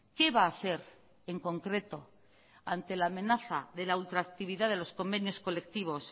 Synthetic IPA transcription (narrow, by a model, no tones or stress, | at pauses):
ke̞βaːθe̞ɾ | e̞ŋko̞ŋkɾe̞t̪o̞ | ant̪e̞laːmẽ̞naθaðe̞lault̪ɾak̚t̪iβ̞iðaðe̞lo̞sko̞mbe̞njo̞sko̞le̞k̚t̪iβ̞o̞s